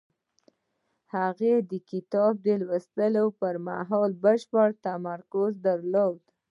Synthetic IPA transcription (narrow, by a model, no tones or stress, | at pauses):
haɣed̪əkɪt̪ɑb̚d̪əlwəst̪əlopəɾma̰ɦɑlbəʃpəɽt̪amaɾkʊzd̪aɾlod̪